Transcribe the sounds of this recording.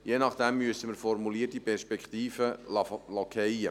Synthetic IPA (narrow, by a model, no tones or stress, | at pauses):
jenɑχd̥ɛmːyəsəməɾfɔɾmuliːərtipʰɛɾʃpɛkχt̪iːfəlɔkʰɛjə̰